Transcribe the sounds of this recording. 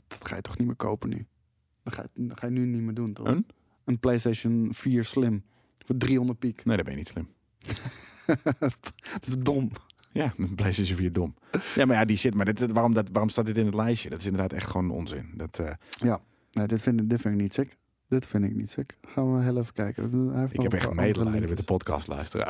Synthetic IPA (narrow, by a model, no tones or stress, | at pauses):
d̥ɔtxa̰jətʰɔ̥xnimɪ̰ːkʰo̰wpəny̰ | dɔtxa̰jxaːjənynimiduntɔ̰ʔən | ənplejsteːʃənfiːəɹslɪm | fɔdriondəpikneːdɔd̚bɛ̰njənitslɪm | ɪsodom | jaənplejsteʃjənfiːɹdom | jamajadisɪtmadɪtʋaːromdɔtʋaːromstaːt̚dɪtɪnətlɛjʃjədɔtɪsɪndərdaːtɛ̰xtχʋoːnəno̰nzɪ̰ndɔtʰːja | neːdɪtfɪndɪtfɪnɪk̚nitsɪk | dɪtfɪndɪ̰knḭtsɪkxaːnʋəɦeːlˠevəkɛjkə̰ɛfɪkɛpɛxtmedəlɛdəʋɪdəpɔtkɑ̰stlœ̰ɥstərə̰